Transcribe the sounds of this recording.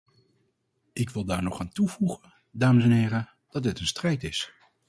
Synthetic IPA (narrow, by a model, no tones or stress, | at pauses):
ʔɪkʋɪlˠdaːɹnɔχaːntuvuχən | daːməsɛnɦɪːɾə | d̥ɑd̚dɪtənstrɛjtɪs